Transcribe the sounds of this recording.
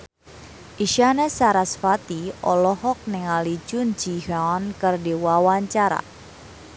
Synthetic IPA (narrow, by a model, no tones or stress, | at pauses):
ʔiʃanɛsaɾasfat̪iɔlɔɦɔk̚nɪŋali̥d͡ʒʊnd͡ʒihaɔnkərdiwawaɲt͡ʃaɾa̰